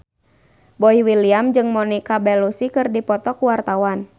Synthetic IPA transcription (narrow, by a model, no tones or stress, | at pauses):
bɔiwiliamd͡ʒɨŋmɔnikabɛlusikɨrdipɔt̪ɔkuwart̪awan